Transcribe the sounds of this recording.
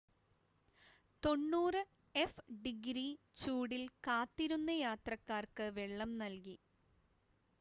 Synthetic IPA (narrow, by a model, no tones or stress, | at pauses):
t̪o̞ɳːuːrɨ | efɖiɡɾi | t͡ɕuːɽilkaːt̪ːiɾunːɐjaːt̪rɐkːaːrkɨʋe̞ɭːɐmnɐlki